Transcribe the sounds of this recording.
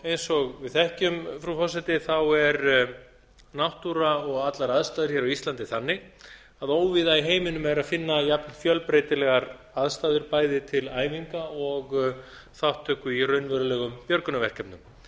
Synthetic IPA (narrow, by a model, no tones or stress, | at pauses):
ejnsɔɣvɪðθɛhcʏmfɾufɔsɛt̪ɪθawɛɾ | nawht̪uɾaɔɣat̪laɾaðst̪aːðʏɾ̥çɛɾawist̪ant̪ɪθanːɪ | aðoːwvɪðaiɦeːjmɪnʏmɛɾaðfɪnːajapnɪfjœlpɾeːjt̪ɪlɛɣaɾ | aðst̪aːðʏɾpaːjðɪt̪ʰɪlaːjmiŋkaɔɣ | θawht̪ʰːœkʏirœɥnvɛɾʏlɛɣʏmpjœɾkʏnavɛr̥kɛpnʏm